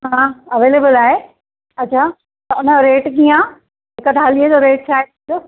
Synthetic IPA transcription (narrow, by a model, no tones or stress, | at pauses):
ɦãːɐʋeːleːbəlaːɦe | ɐt͡ɕʰaː | t̪ɐʊnəɾeːʈɡijã | ɦɪkət̪aːliəd͡ʑoːɾeːʈ̚t͡ɕʰaːɦẽ | oː